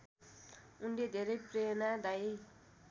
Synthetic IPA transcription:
unled̪ʱeɾʌjprenad̪aj

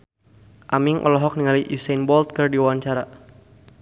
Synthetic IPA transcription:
ʔamiŋʔɔ̰lɔɦɔk̚niŋaliʔusanbɔlt̪̚kərdiwaɲt͡ʃaɾa

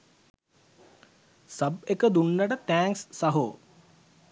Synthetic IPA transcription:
səbekəd̪uɳːəʈət̪æːŋksːɐɦo

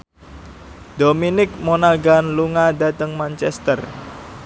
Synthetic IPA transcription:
d̪̥ominɪk̚monalɡanluŋadat̪əŋmant͡ʃɛst̪ər

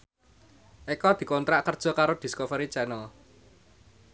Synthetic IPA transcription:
ʔekɔd̪̥i̤kɔnt̪ɾaʔkərd̥ʒ̥ɔ̤kaɾod̪̥i̤skɔfəɾit͡ʃɛnɔ

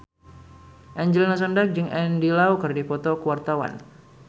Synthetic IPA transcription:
ʔɛɲd͡ʒəlinas̬əndak̚d͡ʒəŋɛndilaukɨrdipɔt̪ɔkəwart̪awa̰n

